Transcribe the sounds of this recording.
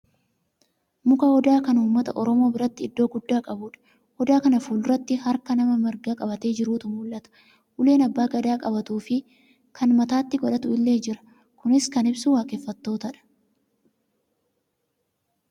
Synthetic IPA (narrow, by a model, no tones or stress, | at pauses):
mʊkɐhɔd̪aːkɐnuːmːɐt̪ɐʔɔɾɔmo̞ːbɪɾɐt̪ːɪɪd̪ːo̞ːɡʊd̪ːaːkʼɐbuːᶑɐ̥ | hɔd̪aːkɐnɐfuːlɾɐt̪ːɪhɐɾkɐnɐmɐmɪɾɡaːkʼɐbɐt̪e̞ːd͡ʒɪɾuːt̪ʊmuːlʔɐt̪ɐ̥ | hʊle̞ːnɐbːaːɡɐd̪aːkʼɐbɐt̪uːfɪ | kʰɐnmɐt̪aːt̪ːɪɡɔᶑɐt̪ʊɪlːe̞ːd͡ʒɪɾɐ̥ | kʊnɪskɐnɪbsuwaːkefːɐt̪ːo̞ːt̪ɐᶑɐ̥